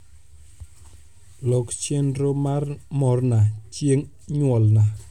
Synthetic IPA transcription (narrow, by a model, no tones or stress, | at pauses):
lɔkt͡ʃenɾomaɾmɔɾnat͡ʃieŋ | ɲwɔlna